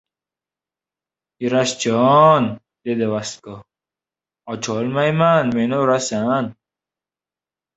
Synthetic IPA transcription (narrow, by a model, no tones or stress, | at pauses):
iɾɐst͡ɕɔn | ded̪ewɐst̪̚ko | ɔt͡ɕʰoːlmɐjmaːnmenoɾasan